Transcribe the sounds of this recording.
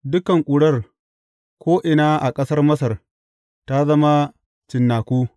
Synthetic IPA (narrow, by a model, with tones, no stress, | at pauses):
dʊ˦kɐ˨ŋkʷʼʊ˨ɽɐ˦r | kʷoː˦ʔɪ˨naː˦ʔa˨kʼɐ˦sɐ˦rmɐ˦sɐ˨r | ta˦zɐ˦ma˦ | t͡ʃɪ˨nːaː˨kʷuː˦